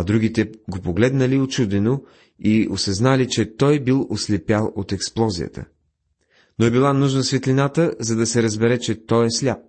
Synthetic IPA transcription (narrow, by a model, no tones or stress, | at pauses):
ɐd̪ɾuɡit̪ɛɡopoɡlɛd̪nəliot͡ʃud̪ɛno | iosɐznalit͡ʃɛt̪ɔjbilˠoslɛpjalˠot̪ɛksplˠɔzijə̰t̪ə̰ | noɛbilˠanuʒnəsvɛt̪lʲinat̪əzɐd̪ɐsɛɾəzbɛɾɛt͡ʃɛt̪ɔjɛslʲap̚